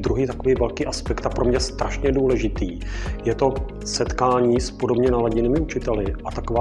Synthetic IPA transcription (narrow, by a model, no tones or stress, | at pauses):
d̪ɾuɦiːt̪ako̞viːvɛlkiːʔaspɛkt̪apɾo̞mɲɛst̪ɾaʃɲɛduːlɛʒɪt̪iː | jɛt̪o̞ | sɛt̪kaːɲiːspo̞dobɲɛnalaɟɪnɪmɪut͡ʃɪt̪ɛlɪʔat̪akovaː